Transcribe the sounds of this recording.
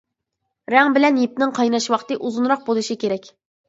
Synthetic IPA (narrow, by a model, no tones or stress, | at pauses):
ɾɛŋbɪlɛnjip̚nɪŋqʰɑjnɑʃwɑqt̪ɨʔuzunɾɑq̚bolˠɨʃikʲeɾɛkʲ